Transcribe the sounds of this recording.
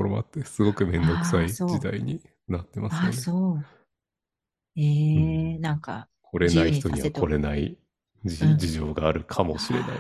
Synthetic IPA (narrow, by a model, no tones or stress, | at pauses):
oɾo̞moa̰t̪ːe̞sɨɡo̞kɯ̟mẽ̞nd̪o̞kɯ̥said͡ʑid̪aiɲ̟i | nat̪ːe̞masɨneo | enãŋka̰ | kʰo̞ɾe̞naiçt̪o̞ɲɲiβko̞ɾe̞nai | id͡ʑiʑo̞ːɡaːɾɯ̟kʰamo̞ɕiɾe̞̰na̰i